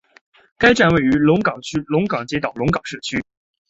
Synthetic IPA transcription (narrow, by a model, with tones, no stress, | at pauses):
ka˥ɪʈ͡ʂa˥˧nwe˥˩ɪy˧˥lʊ˧˥ŋkɑ˨˩ŋt͡ɕʰy˥lʊ˧˥ŋkɑ˨˩ŋt͡ɕjɛ˧˥t̪ɑ˨˩ʊlʊ˧˥ŋkɑ˨˩ŋʂɻ̩˥˩t͡ɕʰy˥